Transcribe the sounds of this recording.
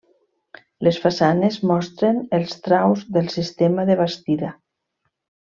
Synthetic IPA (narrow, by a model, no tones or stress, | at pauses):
lesfasanezmɔst̪ɾenəlˠst̪ɾawzðəlˠsist̪emaðəβast̪iða